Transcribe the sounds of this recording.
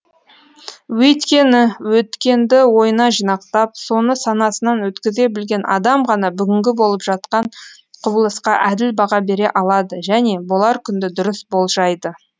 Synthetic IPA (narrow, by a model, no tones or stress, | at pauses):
wɵt̪kʲe̞nɪwɵt̪kʲe̞nd̪ɪwo̞jənɑʒijnɑqt̪ɑp̚so̞nəsɑnɑsənɑnwɵt̪kʲɪze̞bɪlɡʲe̞nʔɑ̰d̪ɑmʁɑnɑbʏɡʲɪŋɡʲɪbo̞lˠəpʒ̥ɑt̪qɑɴ | qʰʊbəlˠəsqɑʔæd̪ɪlbɑʁɑbe̞ɾe̞ʔɑlˠɑd̪əʒæne̞bolˠɑɾkʲʰʏnd̪ɪd̪ʊɾɪsbo̞lˠʒɑjd̪ə